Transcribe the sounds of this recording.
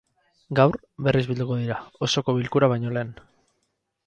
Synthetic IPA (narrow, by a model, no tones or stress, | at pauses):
ɡawɾ | βe̞rizβild̪uko̞ðiɾao̞so̞ko̞βilkuɾaβ̞ajɲo̞le̞ːn